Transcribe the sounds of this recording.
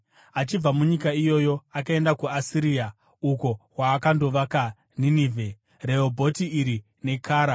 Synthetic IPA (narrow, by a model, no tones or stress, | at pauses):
at͡ʃib͡vamuɲikaijo̞jo̞akae̞ndakuasiɾia | uko̞waːkando̞ʋaka | niniːvʱe̞ | re̞obʱo̞tiːɾi | ne̞kʰaːɾa